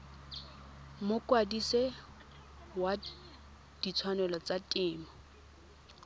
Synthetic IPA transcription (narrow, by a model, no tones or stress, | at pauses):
mʊkʼwadise | wa | d̥it͡sʰwanɛlɔt͡satʼɪːmɔ